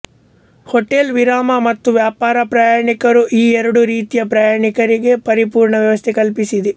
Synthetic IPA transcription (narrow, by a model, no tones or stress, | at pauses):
hɔʈːelʋiɾaːmɐmɐt̪ːuʋjaːpaːɾɐpɾaːjaːɳikɐɾuʔiːɛɾɐɽuɾiːt̪ijɐpɾaːjaːɳikɐɾiɡe̞pɐɾipuːɾɳɐʋjɐʋɐst̪ʰɛkɐlpisid̪e